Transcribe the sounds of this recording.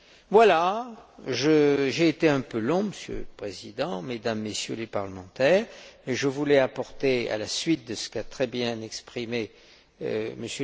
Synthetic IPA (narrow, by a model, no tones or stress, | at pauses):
vwala | ʒəʒeːt̪eɛ̃pølɔ̃məsjø̰ləpχezid̪ɑ̃med̪amːesjø̰lepaʁləmɑ̃t̪ɛːʁmɛʒəvulɛapɔʁt̪ea̰lasɥit̪̚d̪əsə̥kat̪χɛbjɛ̃nɛkspχimḛ | məs